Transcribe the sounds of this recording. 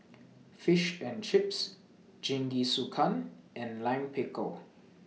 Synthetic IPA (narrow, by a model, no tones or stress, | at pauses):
fɪʃɛ̃nt͡ʃɪps | d͡ʒɪ̃ŋɡisukʰãnʔɛ̃nlãɪ̃mpʰɪkəl